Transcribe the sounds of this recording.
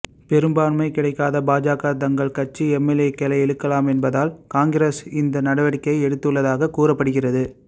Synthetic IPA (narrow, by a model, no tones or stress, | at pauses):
pɛɾɯmbaːnmɐɪkɪɽɐɪkːaːðɐbaːd͡ʒaːkaːt̪̬ɐŋɡɐɭkɐt͡ʃiɛmːɛleːkːɛlɐɪɛɭɯkːɐlaːmɛnbɐðaːlkaːŋɡɪɾeːsɪnd̪ɐnɐɽɐʋɐɽɪkːɐɪɛɽɯt̪ːɯɭːɐðaːɣɐkuːrɐpːɐɽɯɣɪrɐðɯ